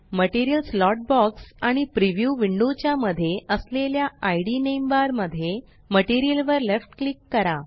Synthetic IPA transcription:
məʈiɾijəlslɔʈ̚bɔksaɽ̃ipɾiʋjuʋiɳɖut͡ɕjaməd̪ʱːjeəsleljaajɽinembaɾməd̪ʱːje | məʈiɾijəlʋəɾlefʈklikːəɾa

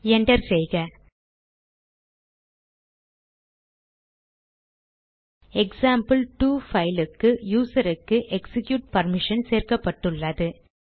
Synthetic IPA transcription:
ɛɳɖɐɾsɛjɣɐ | ɛksaːmpɨlʈuːfɐɪlɯkːɯjuːsɐɾɯkːɯʔɛksɪkjuːʈ̚pɐɾmɪʂɐnseːrkɐpːɐʈːɯɭːɐðɯ

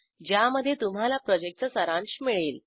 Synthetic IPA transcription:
d͡ʑjaməd̪ʱːjet̪um̤alapɾɔd͡ʑek̚ʈ̚t͡səsəɾãɳɕmiɭiːl

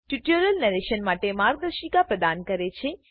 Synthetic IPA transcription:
ʈuʈjəɾəlnɛɾeʃənmaʈemaːɾɡ̚d̪əɾʃikapɾəd̪ankəɾet͡ʃʰe

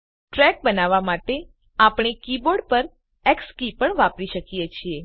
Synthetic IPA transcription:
ʈɾɛk̚bənaʋamaʈe | apɳ̃ekiboɾɖpəɾ | ekskipəɳʋapɾiʃəkijet͡ʃʰie

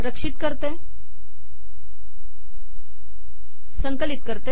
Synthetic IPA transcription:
ɾəkʂit̪̚kəɾt̪e | səŋkəlit̪̚kəɾt̪e

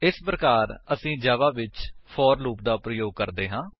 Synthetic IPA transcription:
ɪspɾəkaːɾəsĩːd͡ʒaːʋaːʋɪt͡ʃpʰɔːɾluːpd̪aːpɾəjoːɡ̚kəɾd̪eːɦãː

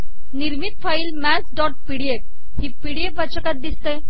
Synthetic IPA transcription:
niɾmit̪faiːlmæsɖɔʈ̚piɽiek̚ | hiːpiɽiekʋat͡ɕəkat̪̚d̪ist̪e

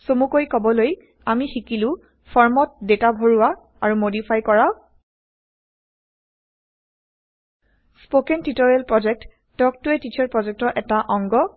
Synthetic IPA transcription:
somukojkɔbɔloj | amixikilʊ̃ | pʰɔɹmɔt̚detabʱoɹuwa | aɹumodipʰajkɔɹa | spokɛntitoɹalpɹɔd͡ʒɛk̚tː | ɔk̚tuɛtit͡ʃʰɔɹpɹɔzɛk̚tɔʔɛtaʔɔŋɡɔ

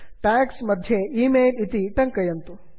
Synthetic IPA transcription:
ʈaːksmɐd̪ʱjeiːmeːlit̪iʈɐŋkɐjɐnt̪u

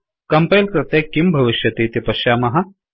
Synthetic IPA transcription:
kɐmpɐjlkɾɐt̪ekːimbʱɐʋiʃjɐt̪eːt̪ipɐʃjaːmɐɦɐ

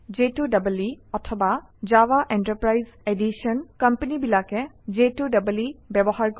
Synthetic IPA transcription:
d͡ʒetudabəliɔtʰɔba | zawaʔɛntəɹpɹajzedisɔnkampenibilakɛ | zetudabəlibɛbɔɦaɹk

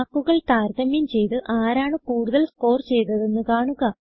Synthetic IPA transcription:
kːuɣɐɭt̪aːɾðɐmjɐmt͡ɕe̞jt̪ɨʔaːɾaːɳɨkuːɽuðɐlsko̞ːrt͡ɕe̞jt̪ɐðe̞nːɨkaːɳuɣɐ

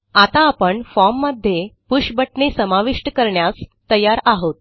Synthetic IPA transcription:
at̪aːpəɳfɔmːəd̪ʱːjepuɕbəʈɳesəmaʋiʂʈəkəɾɳjast̪əjaɾaɦot̪̚

